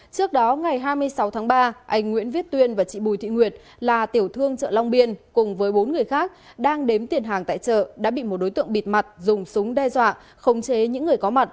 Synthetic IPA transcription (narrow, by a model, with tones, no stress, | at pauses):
t͡ɕɨ˦˥ək̚ɗɔ˨˦ŋa˨˩jɦaː˧jmɨ˧əjsa˨˦wt̪ʰaː˨˦ŋɓaː˧ʔa˧jŋ̟ŋwḭ˧˥ənvi˦˥ət̚t̪wi˧ənvaː˨˩t͡ɕḭ˧˨ɓu˨˩t̪ʰḭ˧˨ŋwi˨˩ət̚ | laː˨˩t̪i˧˩əwt̪ʰɨ˧əŋt͡ɕə̰ː˧˨la˧wŋ͡mɓi˧ənkʊ˨˩ŋ͡mvəː˨˦jɓo˨˦nŋɨ˨˩əjxaː˦˥k̚ | ɗaː˧ŋɗe˨˦mt̪i˨˩ənɦaː˨˩ŋt̪a̰ː˧˨jt͡ɕə̰ː˧˨ɗa̰ː˧˥ɓḭ˧˨mo˨˩t̚ɗo˨˦jt̪ɨ̰˧˨əŋɓi˨˩t̚ma˨˩t̚zʊ˨˩ŋ͡msʊ˨˦ŋ͡mɗɛ˧zwa̰ː˧˨ | xə˨˦wŋ͡mt͡ɕe˨˦ɲɨ̰˧˥ŋːɨ˨˩əjkɔ˨˦ma˨˩t̚